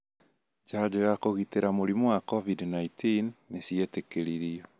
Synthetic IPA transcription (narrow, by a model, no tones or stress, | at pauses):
d͡ʒad͡ʑeɣakoɣiteɾamoɾimowakɔvidnaitinːesietekeɾiɾiɔ